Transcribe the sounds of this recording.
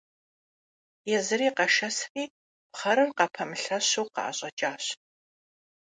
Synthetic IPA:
jɛzɨɾiːqɐʃɐsriː | pχɐɾɨmqɑpʰɐmɨɬɐɕowqɑ̰ʔɐ̰ɕʼɐt͡ʃʼaːɕ

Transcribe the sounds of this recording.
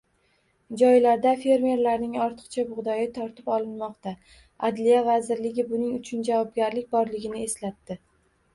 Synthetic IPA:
d͡ʒɒjlaɾd̪afe̞ɾme̞ɾlaɾnɪŋɒɾt̪ʰɨ̥qt͡ʃʰabʊʁd̪ɒjɪt̪ʰɒɾt̪ɪpɒlˠɪnmɒqt̪a | ad̪lijavazɪɾlɪɡʲɪbʊnɪŋʊt͡ʃʰʊnd͡ʒavɒb̚ɡʲaɾlɪkʲbɒɾlɪɡʲɪnɪe̞slat̪ːɪ

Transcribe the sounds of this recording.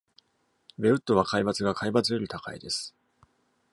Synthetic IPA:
be̞ɯ̟t̪ːo̞βakaibat͡sɨɡakʰaibat͡sɨjo̞ɾʲit̪aka̰ḭd̪e̞sɨ̥

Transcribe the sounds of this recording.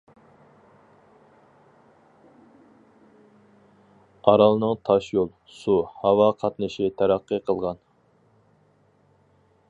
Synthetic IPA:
ɑɾɑlˠnɨŋt̪ʰɑʃjolˠ | suhɑwɑqʰɑt̪nɨʃit̪ʰæɾæqːəqʰəlˠʁɑn

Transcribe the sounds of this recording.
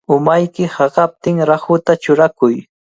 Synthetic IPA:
ʊmajkɪhɑɢɑp̚t̪ɪŋɾahʊt̪at͡ʃʊɾakʊj

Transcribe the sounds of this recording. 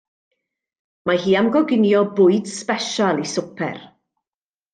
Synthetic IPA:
mahiːamɡɔɡɪnjɔbʊɨd̥spɛʃalˠisʊpʰɛ̰r

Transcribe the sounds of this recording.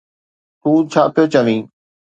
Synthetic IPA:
t̪ũːt͡ɕʰaːpijot͡ɕəʋĩː

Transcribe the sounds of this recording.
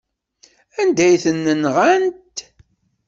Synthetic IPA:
ænd̪æjθənːənʁænt̪

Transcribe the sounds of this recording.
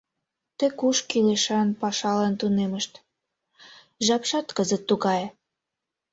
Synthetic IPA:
t̪ekuʃkileʃɑnpɑʃɑlent̪uneməʃt̪ | ʒɑpʃɑt̪kəzət̪ːuɣɑj

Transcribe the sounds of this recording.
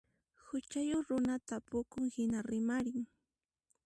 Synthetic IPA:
hʊt͡ʃajoχɾʊnat̪apʊkʊŋhɪnaɾɪmaɾɪŋ

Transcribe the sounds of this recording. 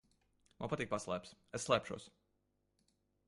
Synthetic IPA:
ma̰npat̪ik̚paslˠæ̰ːpsesːlˠæːpʃṵɔs

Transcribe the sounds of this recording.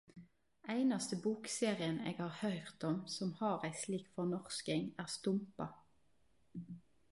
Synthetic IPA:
ʔæɪnɑst̪əbuːkseːʁɪənḛːɡhɑːʁhœʏʁt̪ɔmsɔmhɑːʁæɪsliːkfɔʁnɔʁskɪŋæːʁst̪ʊmpɑ

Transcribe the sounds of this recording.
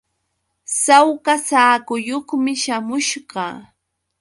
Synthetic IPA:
sawkasaːkʊjoχmɪʃamʊʃɢɑ

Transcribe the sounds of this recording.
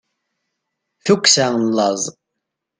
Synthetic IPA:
θukʷːsænlːɑzˤ

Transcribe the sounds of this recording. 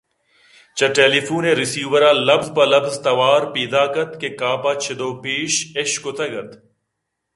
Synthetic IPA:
t͡ʃɐʈeːlifuːneːɾɪsiːʋɐɾaːlɐbzpɐlɐfzt̪ɐʋaːɾpiːd̪aːkɐt̪kekaːpaːt͡ʃʰɪd̪oːpiːʃeʃkot̪ʰɐɡɐt̪

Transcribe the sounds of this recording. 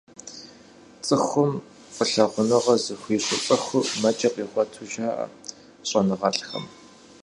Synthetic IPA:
t͡sʼɨxʷʊm | qʼəɬɐʁʷʊnɨʁɐzɨxʷiːɕʼʊpʼɐxʷʊmɐt͡ʃʼɐqiːʁʷɔtʰʊʒaːʔ | ɕʼɐnɨʁɐɬʼxɐ̰m

